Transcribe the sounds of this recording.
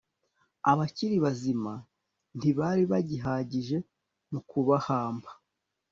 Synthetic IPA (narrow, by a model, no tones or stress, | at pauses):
aβaciɾiβazima | n̥iβaːɾiβaɟiɦaːɟiʒe̞ | mukuβahaːmbḁ